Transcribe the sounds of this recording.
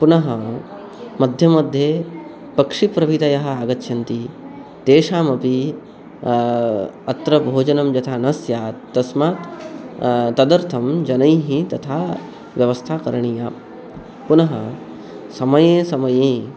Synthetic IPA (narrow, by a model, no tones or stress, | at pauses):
punɐɦɐ | mɐd̪ʱjɐmɐd̪ʱje | pɐkʂipɾɐʋit̪ɐjɐɦɐ̆aːɡɐt̪ːʃʰɐnt̪it̪eːʂaːmɐpi | ɐt̪ɾɐbʱoːd͡ʒɐnɐmd͡ʒɐt̪ʰaːnɐsjaːt̪ːɐsmaːt̪ | t̪ɐd̪ɐɾt̪ʰɐmd͡ʒɐnɐjɦĩt̪ɐt̪ʰaː | ʋjɐʋɐst̪ʰaːkɐɾɐɳijaː | punɐɦɐ̰ | sɐmɐjẽːsɐmɐjẽː